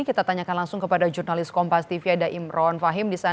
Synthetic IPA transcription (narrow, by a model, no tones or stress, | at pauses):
ikit̪at̪aɲakanlaŋsʊŋkəpadad͡ʒurnalɪskɔmpast̪ifiadaʔimrɔnfaɦɪmdisa